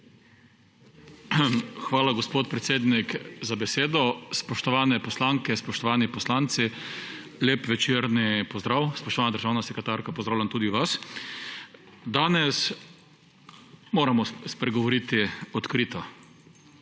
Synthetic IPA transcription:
xʋaːlaɡɔspoːt̪̚pɾɛt̪seːd̪nikzabɛseːd̪ɔspɔʃt̪ɔʋaːnɛpɔslaŋkɛspɔʃt̪ɔʋaːnipɔslant̪si | leːpʋɛt͡ʃeɾnipɔzd̪ɾaːwspɔʃt̪ɔʋaːnad̪əɾʒaːwnasɛkɾɛt̪aːɾkapɔzd̪ɾawlʲjant̪uːd̪iʋas | d̪aːnɛs | moːɾamɔspɾɛɡɔʋɔɾit̪iɔt̪kɾiːt̪a

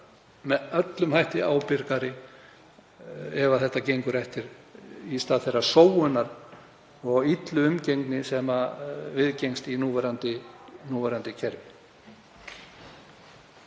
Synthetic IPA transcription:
mɛðœt̪lʏmhajht̪ɪaːwpɪɾkaɾɪ | ɛvaθɛht̪acejŋkʏɾɛhft̪ɪɾist̪aːðθejrḁsoːwʏnːaɾ | ɔɣit̪lʏʏmcejŋknɪsɛmavɪðcejŋst̪inuːvɛɾant̪ɪnuːvɛɾant̪ɪcʰɛɾv

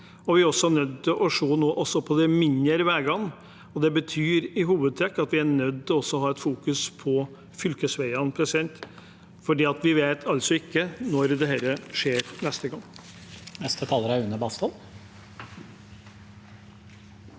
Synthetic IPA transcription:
ɔʋɪæɾɔsɔæɳœd̪ːɪlʔɔʂoːnoːʔɔsːɔpʰɔd̪ɛmɪnːəɾʋæːɡɑŋ | ɔd̪ɛbət̪ʰyːɾɪɦuːʋəd̪̚t̪ʰɾɛkːɑt̪ʋɪæɳœd̪ːɔɔsːɔɔɦɑːɛt̪fuːkʉspʰɔ | fʏlkəsʋæɪɑnpʰɾɛsɪd̪ɛnt̪ | fɔɖiːɑt̪ʋɪʋeːt̪ʰɑlt̪sɔɪkːənɔɾd̪ɛhɛɾəʂeːɾnɛst̪əɡɑŋː | nɛst̪ət̪ʰɑːləɾæʉnəbɑst̪ɔl

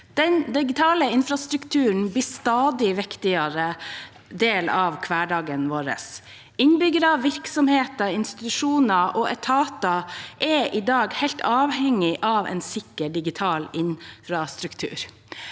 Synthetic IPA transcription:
d̪̥ɛnd̪ɪɡɪt̪ʰɑːləɪnfɾɑst̪ɾʉkt̪ʰʉːəɳ̩bliːst̪ɑːd̪ɪʋɪkt̪ɪɑɾə | d̪eːlɑʋkʰʋæːɖɑːɡənʋoːɾə̰s | ɪnbʏɡəɾɑʋɪɾksɔmheːt̪əɪnst̪ɪt̪ʉʂuːnəʔɔʔɛt̪ʰɑːt̪ɑʔɛʔɪd̪ɑːɡhæɪlt̪ʰɑːʋhɛŋːɪʔɑʋʔɛ̰ːnsɪkːəɖɪɡɪt̪ʰɑːlɪnfɾɑst̪ɾʉkt̪ʰʉ̰ːɾ

